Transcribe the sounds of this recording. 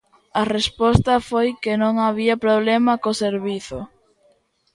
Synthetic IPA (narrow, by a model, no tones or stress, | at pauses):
ɐrespɔst̪ɐfojkɪnõŋaβiɐpɾoβlemɐkoseɾβiθʊ